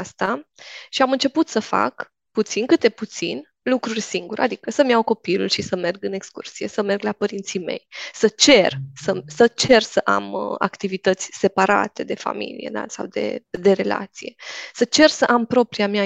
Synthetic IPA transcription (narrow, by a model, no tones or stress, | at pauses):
ast̪aʃiamɨnt͡ʃe̞put̪səfa̰k | put̪sinkɨt̪̚d̪e̞put̪sḭn | lukɾurʲsiŋɡuɾad̪ikəsəmjawko̞pilulʃisəme̞rɡɨne̞kskṵrsije̞̰səme̞rɡlapəɾint̪sime̞̰jsət͡ʃe̞rsəsət͡ʃe̞rsəʔa̰ma̰kt̪ivit̪ət̪sʲse̞paɾa̰t̪e̞d̪e̞fa̰mḭlijḛna̰sa̰wd̪e̞̰d̪e̞ɾe̞la̰t̪sije̞sət͡ʃe̞rsəʔampɾo̞pɾiamja